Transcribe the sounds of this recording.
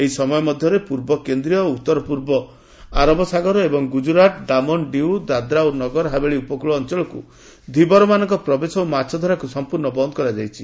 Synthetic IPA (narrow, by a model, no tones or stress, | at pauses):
eɦisɔmɔjɔmɔd̪ʱjɔɾepuɾbɔkend̪ɾijɔut̪ːɔɾɔpuɾbɔ | aɾɔbɔsaɡɔɾɔebɔŋɡud͡ʒuɾaʈɖamɔnɖiwd̪ad̪ɾaonɔɡɔɾɦabeɭiupɔkuɭɔːnt͡ʃɔɭɔkṵ | d̪ʱibɔɾɔmanɔŋkɔpɾɔbesɔomat͡ʃʰɔd̪ʱaɾakusɔmpuɾnɔbɔnd̪ɔkɔɾad͡ʒajt͡ʃʰi